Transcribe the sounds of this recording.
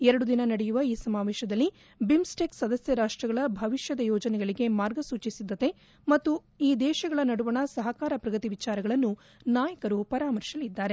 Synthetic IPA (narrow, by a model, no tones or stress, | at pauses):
ɛɾɐɽud̪inɐnɐɽɛjuʋɐiːsɐmaːʋɛːʃɐd̪ɐlːi | bimsʈeːksɐd̪ɐsjɐɾaːʂʈɾɐɡɐɭɐbʱɐʋiʃjɐd̪ɐjɔːd͡ʒɐnɛɡɐɭiɡe̞maːɾɡɐsuːt͡ʃisid̪ːɐt̪e̞ | mɐt̪ːu | iːd̪ɛːʃɐɡɐɭɐnɐɽuʋɐɳɐsɐɦɐkaːɾɐpɾɐɡɐt̪iʋit͡ʃaːɾɐɡɐɭɐnːu | naːjɐkɐɾupɐɾaːmɐɾʃɐlid̪ːaːɾe̞